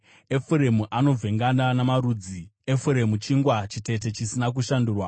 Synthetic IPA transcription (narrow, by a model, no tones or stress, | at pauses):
e̞fuɾe̞muʔano̞b͡vʱe̞ŋɡananamaɾuːd͡zie̞fuɾe̞mut͡ʃiŋɡwat͡ʃite̞t̬e̞t͡ʃisinak̬uʃanduːrwa